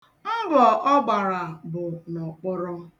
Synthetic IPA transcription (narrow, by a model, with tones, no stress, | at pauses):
a˦ɡɔ˨ʔɔ˦ɡ͡ba˨ɾa˨bʊ˨nɔ˨k͡pɔ˦ɾɔ˦